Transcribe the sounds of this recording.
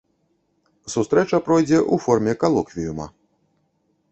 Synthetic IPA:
sust̪ɾɛt͡ʂɐpɾɔjd͡zʲɛʔufɔrmʲɛkalˠɔkvʲijumɐ̰

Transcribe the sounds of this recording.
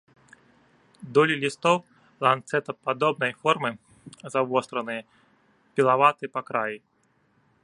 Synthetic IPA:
d̪ɔlʲilʲist̪ɔw | lˠant̪sɛt̪ɐpad̪ɔbnɐjfɔrmɨ | zavɔst̪ɾɐnɨjɐ | pʲilˠavat̪ɨɐpakɾaji

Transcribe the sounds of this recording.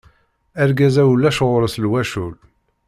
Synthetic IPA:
æɾɡæzæwlːæʃʁʊɾslwæʃul

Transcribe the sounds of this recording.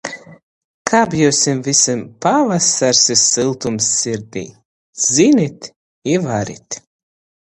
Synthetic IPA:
kʰaːbjɛwsimvisimpavasaɾsisɨlˠt̪umsːiɾd̪ḭː | zinit̪ʲ | ivaɾḭt̪ʲ

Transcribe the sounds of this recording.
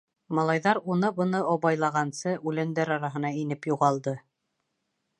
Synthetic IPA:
mɑlˠɑjðɑɾunɤbɤ̆nɤɑβɑjlˠɑʁɑnsɤʔʉlænd̪æɾɑɾɑɦɤ̆n̪ɑinɘpjuʁɑlˠd̪ɤ

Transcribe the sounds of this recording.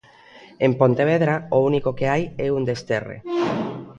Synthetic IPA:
empont̪eβ̞eðɾaounikokeajɛund̪est̪erḛ

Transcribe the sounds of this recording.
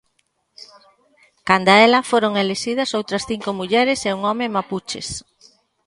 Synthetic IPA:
kand̪aɛlɐfoɾoŋeleʃiðɐsowt̪ɾɐsθiŋkomuʎɛɾɪseuŋɔmemaput͡ʃḛs

